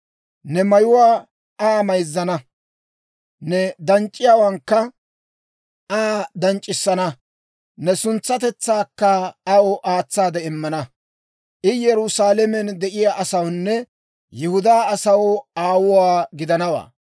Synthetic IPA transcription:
nɛmɐjʊwaː | aːmɐjzːɐnɐ | nɛd̪ɐnt͡ʃʼːɪjaːwɐŋkːɐ | ʔaːd̪ɐnt͡ʃʼːɪsːɐnɐ | nɛsʊnt͡sːɐt̪ɛt͡sːaːkːɐɐwɔʔaːt͡sːaːd̪ɛɪmːɐnɐ | ʔɪjɛɾʊsaːlɛmɛnd̪ɛʔɪjaːʔɐsɐwnːɛ | jɛhʊd̪aːɐsɐwaːwʊwaːɡɪd̪ɐnɐwa̰ː

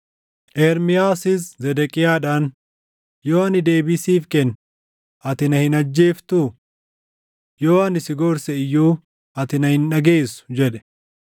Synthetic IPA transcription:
ʔɛːɾmɪjaːsɪszɛd̪ɛkʼɪjaːᶑaːn | joːɐnɪd̪e̞ːbisiːfkɛn | ɐt̪ɪnɐhɪnɐd͡ʒːeːft̪uː | joːɐnɪsɪɡoːɾsɛɪjːuː | ɐt̪ɪnɐhɪnᶑɐɡeːsʊ̥d͡ʒɛᶑɛ̥

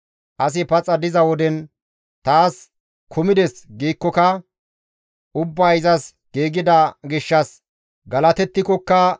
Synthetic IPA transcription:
ʔɐs̬ɪpɐt͡sʼɐd̪ɪzɐwɔd̪ɛn | t̪aːs | kʰʊmɪd̪ɛsɡiːkːɔkɐ | ʔʊbːɐɪzɐs | ɡ̥iːɡɪd̪ɐɡɪʃːɐs | ɡɐlɐt̪ɛt̪ːɪkɔkːɐ

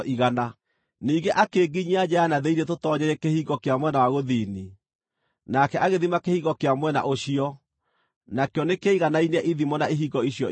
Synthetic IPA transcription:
ʔiɣana | niːɡeʔakeːɡiɲiad͡ʑɛanaðeiɾetotɔɲɛɾɛkehiːɣɔkeamwɛnawaɣoðini | nakɛʔaɣeðimakehiɣɔkeamwɛna̰ʔoɕiɔ | nakejɔnekeiɣanainɛʔiðimɔnaeɦiɡɔiɕjɔ

